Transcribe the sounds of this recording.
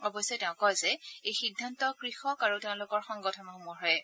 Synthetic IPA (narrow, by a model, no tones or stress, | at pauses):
ɔbɔjsɔtɛʊ̃kɔjzɛejxidʱːantɔkɹixɔkaɹuteʊ̃lʊkɔɹxɔŋɡɔtʰɔnɔxomɔɹɦɔj